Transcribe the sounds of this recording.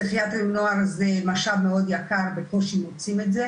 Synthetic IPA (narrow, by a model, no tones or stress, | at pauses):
eχijat̪umnoaʁzemaʃavmeo̞d̪jakaʁbekoʃimot͡simetze